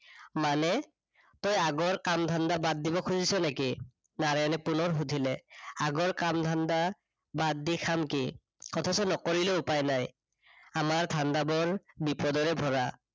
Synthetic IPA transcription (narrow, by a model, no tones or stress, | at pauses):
manɛ | tɔjaɡɔɹkamdʱandabad̚ːibɔkʰuzisɔneki | naɹanɛpunɔɹɦutilɛaɡɔɹkamdʱanda | bad̚ːikʰamki | kɔtʰɔsɔnɔkɔɹileʊpajnaj | amaɹtʰandabɔɹbipɔdɔɹɛbʱɔɹa